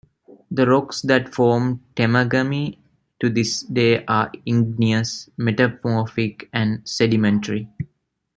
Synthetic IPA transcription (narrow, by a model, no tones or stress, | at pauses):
d̪əɾɔksd̪æʈfɔːmʈemaɡəmi | ʈud̪isɖeːʔaːĩŋɡniəsmeʈafɔːfikæ̃ɳɖseɖimẽɳʈəɾi